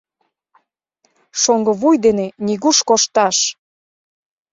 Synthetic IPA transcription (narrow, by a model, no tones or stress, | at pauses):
ʃoŋɡə̆βujd̪enenʲiɣuʃkoʃt̪ɑʃ